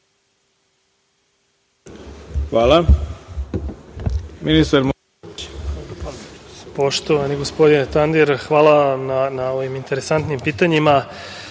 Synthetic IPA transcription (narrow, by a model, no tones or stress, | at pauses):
xʋaːlˠa | minist̪aɾm | po̞ʃt̪o̞ʋaniɡo̞spo̞d̪inet̪and̪iɾxʋaːlananao̞ʋimint̪e̞ɾe̞sant̪nimpiːt̪aɲima